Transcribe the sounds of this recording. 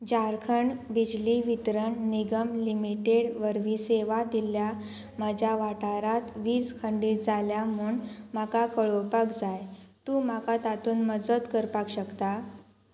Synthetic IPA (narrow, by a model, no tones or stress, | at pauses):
d͡ʑaɾkʰəɳbid͡ʑliʋit̪ɾəɳniɡəmlimiʈeɽʋəɾʋiːseʋad̪ilja | məd͡ʑʱjaʋaʈaɾat̪ʋiːd͡zkʰəɳɖiːtd͡zaljamuːɳmakakəɭopakd͡zajt̪uːmakat̪at̪uːnməd͡zət̪kəɾpakɕəkt̪a